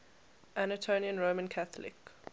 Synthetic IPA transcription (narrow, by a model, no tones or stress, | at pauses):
ʔanətʰoʊniə̃nɹoʊmə̃nkʰaθəlɪ̰k